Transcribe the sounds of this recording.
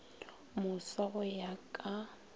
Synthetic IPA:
mʊsaɣʊjakʼa

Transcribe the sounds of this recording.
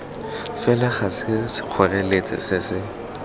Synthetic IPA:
fɛlaχasɪsɪ̥q͡χʰɔrɛlet͡sʼɪ̰sɪsɪ

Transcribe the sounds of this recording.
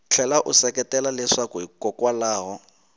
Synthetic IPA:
t͡ɬʰɛlaʔʊsɛkɛtɛlalɛʂakʊikɔkwalaːɣɔ

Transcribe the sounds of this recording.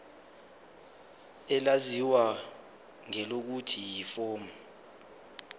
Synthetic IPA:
ɛlaziwa | ŋɛlok̬utʰijiːfɔːm

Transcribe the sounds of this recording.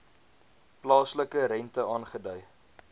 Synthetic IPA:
plɑːsləkəɾɛntəɑːnχədœj

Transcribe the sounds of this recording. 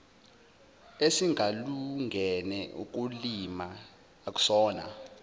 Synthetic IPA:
esiŋʱaluŋɡʱɛnɛṵk̬ulimaː | k̬ʼu̥sɔːna̰

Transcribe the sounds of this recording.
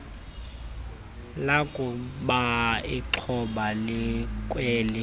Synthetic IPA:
lakʼʊɓaiǁʰɔɓalɪkʼweːlɪ

